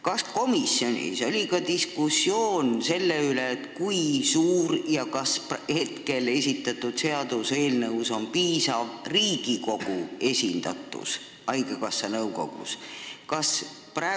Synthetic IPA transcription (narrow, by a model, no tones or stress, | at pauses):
kɑsko̞misːjo̞nʲḭso̞lʲikɑd̪iskusːjo̞ːnse̞lːeylet̪kujsuːɾjɑkɑsphe̞t̪ke̞le̞s̬ʲit̪ːˑɑt̪ːˑud̪̥se̞ɑd̪̥use̞ːlnɤwso̞mpiːsɑvriːɡ̥iko̞ɡ̥ue̞sʲind̪̥ɑ̰t̪ˑːṵs | ɑjɡ̥ekɑsːɑnɤwɡo̞̰ɡ̥ṵskɑs | prɑ